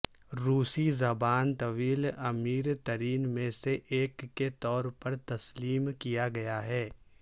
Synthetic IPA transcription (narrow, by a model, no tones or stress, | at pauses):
ɾuːsizɐbaːnt̪ɐʋiːlɐmiːɾt̪ɐɾiːnmẽseʔːkːet̪ɔːɾpɐɾt̪ɐsliːmkijaɡɐjaɦɛː